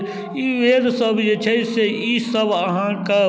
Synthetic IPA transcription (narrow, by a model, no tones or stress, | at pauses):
iʋeːd̪sɐbjet͡ʃʰɐiseiːsɐbɐɦãːka